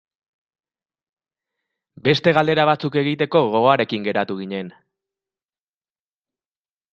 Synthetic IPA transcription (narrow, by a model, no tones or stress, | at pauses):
be̞st̪e̞ɣald̪e̞ɾaβat͡suke̞ɣ̞it̪e̞ko̞ɣo̞ɣoaɾe̞kiŋɡe̞ɾat̪uɣ̞iɲe̞n